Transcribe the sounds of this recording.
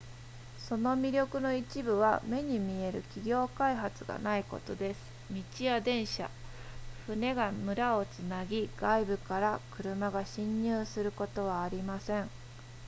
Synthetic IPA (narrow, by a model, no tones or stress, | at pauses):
so̞no̞mʲiɾʲo̞kɯ̟no̞it͡ɕibɯ̟β̞a̰me̞ɲ̟imʲie̞ɾɯ̟̰kʲiɡʲo̞ːkaiɦat͡sɨɡa̰naiko̞̰t̪o̞d̪e̞sɨ̥mʲit͡ɕiad̪ẽ̞ɰ̃ɕa̰ | ɸɯ̟ne̞ɡamɯ̟ɾao̞t͡sɨnaɡʲiɡ̥aibɯ̟kaɾakɯ̟ɾɯ̟maɡaɕĩɲ̟ːɯːsɨɾɯ̟ko̞t̪o̞β̞aːɾʲimasẽ̞ŋ